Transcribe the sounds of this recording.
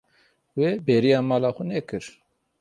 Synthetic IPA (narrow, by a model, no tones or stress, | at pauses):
webɛɾijɑːmɑːlɑːxunɛkɨɾ